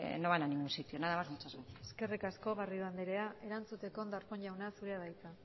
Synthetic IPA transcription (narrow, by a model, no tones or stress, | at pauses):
noβananĩŋɡunsit̪ionaðamazmut͡ʃazβeeske̞rikasko̞ɣarioand̪eɾe̞aʔe̞ɾant͡sut̪e̞ko̞nd̪aɾko̞ɲʎawnasuɾe̞aβajt̪a